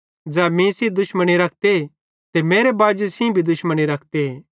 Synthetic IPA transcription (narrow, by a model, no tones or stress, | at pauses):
d͡ʒɛːmĩsid̪ʊʃməɽ̃iɾɐk̚ʰt̪e | t̪emeːɾebaːd͡ʒesĩbʱid̪ʊʃməɽ̃iɾɐkʰt̪eeː